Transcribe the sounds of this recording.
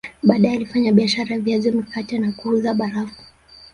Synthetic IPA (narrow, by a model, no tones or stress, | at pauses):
ɓaːɗajɛalifaɲaɓiaʃaɾajaviazɔmikatɛnakuuðaɓaɾafu̥